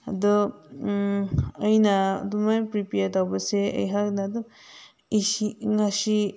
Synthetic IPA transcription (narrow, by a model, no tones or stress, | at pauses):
d̪ɯ | əjnad̪umajpɾipeatawbaseə̰jɦaknad̪ɯ | iiŋaʃi